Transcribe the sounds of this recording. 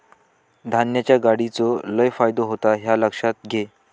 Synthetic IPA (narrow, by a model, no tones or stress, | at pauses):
d̪ʱanjat͡ɕjaɡaɽit͡soləjfajd̪oɦot̪aɦjaləkʂat̪̚ɡʱe